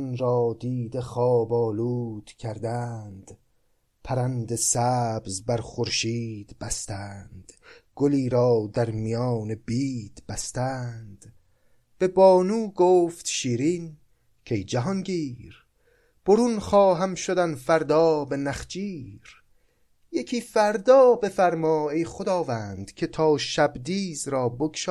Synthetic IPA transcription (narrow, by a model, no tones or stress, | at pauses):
nɾɒːd̪iːd̪e̞χɒːbɒːluːd̪̥cʰæɾd̪ænd̪̥ | pʰæɾænd̪esæːbzbæɾχoɾʃiːd̪bæst̪ænd̪̥ɡ̥oliːɾɒːd̪æɾmijɒːne̞biːd̪̥b̥æst̪æːnd̪̥ | b̥e̞bɒːnuːɡoːft̪ʃiːɾiːn | cʲʰejd͡ʒæɦɒnɡiːɾ | b̥oɾunχɒːɦæmʃod̪ænfæɾd̪ɒːbe̞næχd͡ʒiːɾ | jecʲʰiːfæɾd̪ɒːbe̞fæɾmɒːejχod̪ɒːvæːnd̪̥cʲʰe̞t̪ʰɒːʃæbd̪iːzɾɒːbokʃɒː